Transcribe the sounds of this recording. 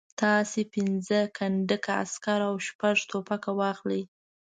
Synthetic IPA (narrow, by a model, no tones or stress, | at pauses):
t̪ɑsepɪnzəkʰaɳɖəkaa̰skaɾawʃpaʐt̪opakawɑxləj